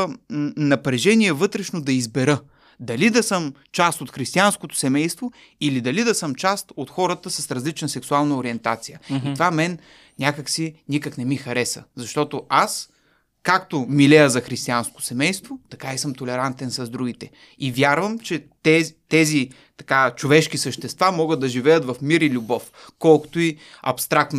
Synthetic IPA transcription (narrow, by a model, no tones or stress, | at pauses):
nɐpɾɛʒɛniɛvɤt̪ɾɛʃnod̪ɐizbɛɾɤ | d̪ɐlid̪ɐsɤmt͡ʃast̪ot̪xɾist̪ianskot̪o̥sɛmɛjst̪vo | ilid̪ɐlid̪ɐsəmt͡ʃast̪ot̪xɔɾət̪əsɐsɾɐzlit͡ʃnəsɛksualˠnɐoɾiɛnt̪at̪sijəit̪ovamɛn | nʲakəksinʲikəknɛmixɐɾɛsə̰zɐʃt̪ɔt̪oas | kakt̪omilɛjəzɐxɾist̪iansko̥sɛmɛjst̪vot̪ɐkaisɤmt̪olɛɾant̪ɛnsɐzd̪ɾuɡ̟it̪ɛ | ivjaɾvəmt͡ʃɛt̪ɛt̪ɛzi | t̪ɐ̥kat͡ʃovɛʃkisəʃt̪ɛst̪vamɔɡət̪ːɐʒivɛjət̪vɐfmiɾilʲubɔf | kɔlˠko̥t̪oiɐpst̪ɾakt̪n